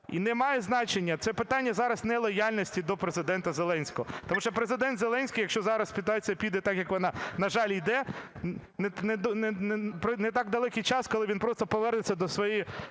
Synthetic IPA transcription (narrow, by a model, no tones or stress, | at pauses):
ḭnɛmɑjɛznɑt͡ʃenʲːɐt̪sɛpɪt̪ɑnʲːɐzɑɾɐsnɛlˠɔjɑlʲnɔsʲtʲid̪ɔpɾezɪd̪ɛnt̪ɐzelˠɛnʲsʲkɔɦɔt̪ɔmuʃt͡ʃɔpɾezɪd̪ɛnt̪zelˠɛnʲsʲkʲijɐkʃt͡ʃɔzɑɾɐspʲit̪ɑt͡sʲijɐpʲid̪ɛt̪ɑkjɐkʋɔnɑnɐʒɑlʲijd̪ɛ | nɛnɛd̪nɛnpɾɔnɛt̪ɑɡd̪ɐlˠɛkijt͡ʃɑskɔlˠɪʋʲinpɾɔst̪ɔpɔʋɛrnɪt͡sʲːɐd̪ɔsʋɔji